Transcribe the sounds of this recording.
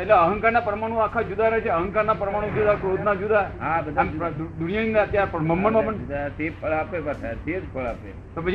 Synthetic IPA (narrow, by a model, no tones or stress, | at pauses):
eʈleəɦə̃ŋkaɾnapɾəmaɽ̃ũakʰad͡ʒud̪ʱaɾət͡ʃʰeəɦə̃ŋkaɾnapɾəmaɽ̃ũd͡ʒud̪ʱakɾod̪nad͡ʒud̪ʱaɦabəd̪amɾd̪uɾjəninaət̪jaɾpəɳməmːəɳməmənseppʰəɭapebətʰaɾsetpʰəɭape | t̪opəd͡ʒ